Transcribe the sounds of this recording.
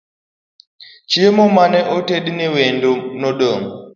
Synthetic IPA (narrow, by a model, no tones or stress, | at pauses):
t͡ʃiemɔmanɛʔoteɗnewendonɔɗɔm